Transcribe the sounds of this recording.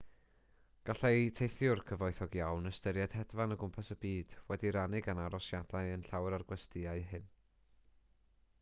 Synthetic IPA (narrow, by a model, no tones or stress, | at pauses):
ɡ̥aɬajtʰejθjʊrkʰəvɔɨθɔɡjawnəstəɾjad̥hɛdvanəɡʊmpʰasəbiːd̥wɛdiɾanɪɡanaɾɔsjadaɨənɬawɾarɡwɛstɨaɨɦɨn